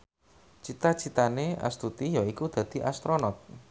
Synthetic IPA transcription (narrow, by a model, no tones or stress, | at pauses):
t͡ʃit̪at͡ʃit̪aneʔa̰st̪ut̪ijaikud̪̥ä̤d̪̥i̤ʔast̪ɾonɔt̪̚